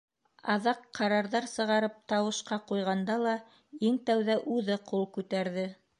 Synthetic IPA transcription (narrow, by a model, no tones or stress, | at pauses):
ɑðɑqʰːɑɾɑɾðɑɾsɤ̆ʁɑɾɤp̚t̪ɑwɤ̆ʃqɑqujʁɑnd̪ɑlˠɑ | iŋt̪æwðæʔʉðɘqulˠkʉt̪æɾðɘ